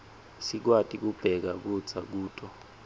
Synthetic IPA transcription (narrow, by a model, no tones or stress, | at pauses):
sik̬watʼik̬ub̥ʱɛk̬ak̬ud̥d͡z̥ʱak̬uːtʼɔ